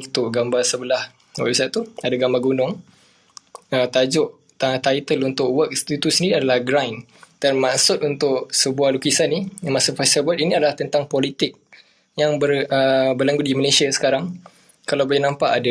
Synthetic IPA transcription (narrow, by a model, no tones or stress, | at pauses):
it̪ʊʔɡambarsəbəlah | wa̰ʔisaʔt̪uadaɡambaɡunʊŋ | ət̪ad͡ʒʊʔ | t̪at̪ait̪əlunt̪ʊʔwək̚st̪it̪usəndiɾiadalahɡɾajn | d̥anmaʔsʊt̪̚unt̪ʊʔsəbuahlukisanːimasafasabat̪iniadalaht̪ənt̪aŋpɔlit̪ɪk̚ | jaŋbərəbərlaŋɡudiməlesiasə̥kaɾaŋ | kalawbajanãmpaʔada